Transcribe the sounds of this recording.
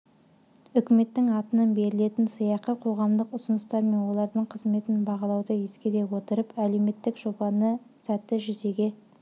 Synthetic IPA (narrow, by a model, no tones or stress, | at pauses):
ʏkʲɪme̞t̪ːɪŋɑt̪ənɑnbe̞ɾɪle̞t̪ɪnsəjɑqəqʰo̞ʁɑmd̪əqʊsʊnəst̪ɑɾme̞nwo̞lˠɑɾd̪əɴqʰəzme̞t̪ɪnbɑʁɑlˠɑwd̪əjeskʲe̞d̪e̞wo̞t̪əɾəpæle̞wme̞t̪ːɪkʒ̥o̞bɑnə | sæt̪ːɪʒʏze̞ɡʲe̞